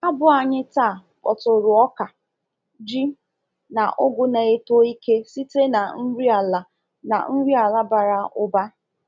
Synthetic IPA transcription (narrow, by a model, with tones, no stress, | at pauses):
a˦bʊ˦a˨ɲɪ˦taː˦˨ | kɔ̰˨tʊ˨ɾʊ˨ɔ˦ka˨ | d͡ʒi˦ | na˨ʔʊ˦ɡʷʊ˦ne˨e˦to˦i˦ke˦si˦te˦na˨n̩˦ɾi˦a˨la˨ | na̰˨n̩˦ɾi˦a˨la˦ba˨ɾa˨ʊ˦ba˦